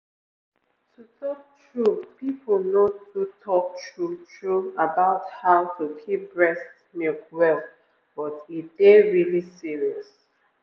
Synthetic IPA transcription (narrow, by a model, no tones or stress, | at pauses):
tʰutʰɔk̚tʰɹupipʰəlnodutʰɔk̚tʰɹutʰɹuabaʊthaʊtʰukʰip̚ɹɛst | milkwɛl | b̥ɔtitd̥eɹilisiɹiɔs